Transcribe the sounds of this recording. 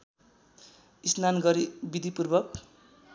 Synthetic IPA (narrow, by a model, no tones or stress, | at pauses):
isnanɡʌɾibid̪ʱipurbʌk̚